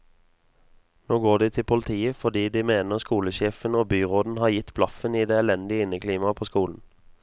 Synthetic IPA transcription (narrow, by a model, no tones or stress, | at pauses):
noːɡoːd̪iːt̪ʰɪpʰʊlət̪ʰiːəfɔd̪iːd̪iːmeːnəʁskuːləʃeːfənoːbyːʁoːd̪n̩hɑːjɪt̪blɑfəniːd̪eːɛlɛnd̪ɪəɪnəkʰliːmɑpʰoːskuːln̩